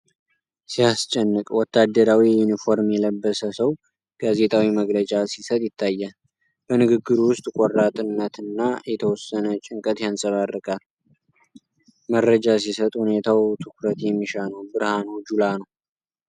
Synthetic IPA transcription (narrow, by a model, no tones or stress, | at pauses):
sijast͡ʃʼɛnːɨkʼwɔt̪ʰːad̪ːəɾawijunifo̞ɾmjɛləbːəsəsəw | ɡ̥aze̞t̪ʰawiməɡlət͡ʃʼasisət̪ʼjɪt̪ʰːajːal | b̥ənɨɡɨɡːɨɾuwʊst̪ʼkʼɔrːat̪ʼɨnːət̪ɨnːajɛt̪ʰəwɔsːənət͡ʃʼɪŋkʼət̪jansʼəβarːɨkʼal | mərːəd͡ʒas̬isət̪ʼhune̞t̪ʰawt̪ʰɨkʰɾət̪jɛmːiʃanəwbɨɾhanud͡ʒulanəw